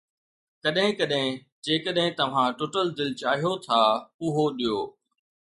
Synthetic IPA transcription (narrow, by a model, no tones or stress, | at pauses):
kɐɗɦɪ̃kɐɗɦɪ̃ | d͡ʑeːkəɗɦɪ̃t̪ɐʋ̤ãʈoːʈəld̪ɪlt͡ɕaːɦijot̪ʰaːʊɦoɗijoː